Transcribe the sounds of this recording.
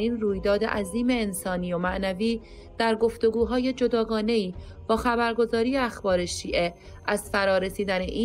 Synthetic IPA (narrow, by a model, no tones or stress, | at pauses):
iːnruːjd̪ɒːd̪e̞ʔæziːme̞ːnsɒːniːjomæʔnæviː | d̪̥æɾɡo̞ft̪o̞ɡuːɦɒːje̞d͡ʒo̞d̪ɒːɡɒːne̞iː | b̥ɒːxæbæɾɡo̞zɒːɾiːjeæxbɒːɾe̞ʃiːʔe̞ | ʔæzfæɾɒːɾe̞siːd̪æne̞̰ʔiː